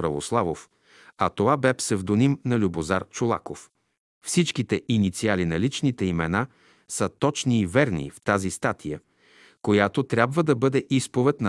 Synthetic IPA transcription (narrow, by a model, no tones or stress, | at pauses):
ɾɐvoslˠavof | ɐt̪ovabɛpsɛvd̪onimnɐlʲubozaɾt͡ʃolˠa̰kof | fsit͡ʃkit̪ɛʔinit̪sialinɐlit͡ʃnit̪ɛimɛna | sət̪ɔt͡ʃniːvɛɾnḭft̪azist̪at̪ʰijə | kojat̪ot̪ɾʲabvəd̪ɐbɤd̪ɛʔispovɛt̪nɐ